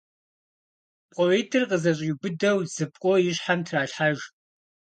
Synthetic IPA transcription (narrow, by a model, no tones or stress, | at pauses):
pqʼɔʕeːtʰɨrqəzɐɕʼibɨdɐwz̥ɨp̚kʷʼɔjɪɕħamtʰraːɬħaʒ